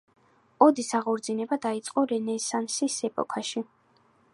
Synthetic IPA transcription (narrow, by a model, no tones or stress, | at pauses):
ɔd̪isaʁɔɾd̪zinɛbad̪ait̪sʼqʼɔɾɛnɛsansisɛpʼɔ̰kʰaʃi